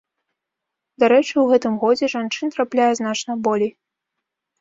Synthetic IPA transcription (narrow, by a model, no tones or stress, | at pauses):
d̪aɾɛt͡ʂɨwɣɛt̪ɨmɣɔd͡zʲɛʐant͡ʂɨnt̪ɾaplʲajɛznat͡ʂnɐbɔlʲej